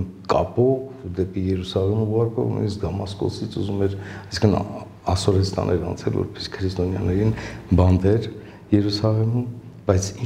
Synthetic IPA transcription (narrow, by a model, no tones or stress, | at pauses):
kɑ̰pɔvd̪ɛpijɛɾusɑʁɛmuʁɑɾkɔ̰vnṵjnisd̪ɑmɑskɔ̰sit͡sʰuzumɛɾɑjsĩŋkʰən | ɑsɔɾɛst̪ɑ̰nʔɛɾɑ̰nt͡sʰɛlvɔ̰ɾpɛ̥si̥kʰəɾist̪ɔnjɑ̰nɛɾinbɑnd̪ɛɾ | jɛɾusɑʁɛmu | bɑjt͡sʰi